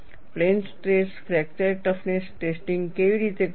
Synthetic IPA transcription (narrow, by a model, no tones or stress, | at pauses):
plensʈɾeskɾɛkt̪eɾʈɔfʰnesʈesʈiŋɡkeʋiɾit̪e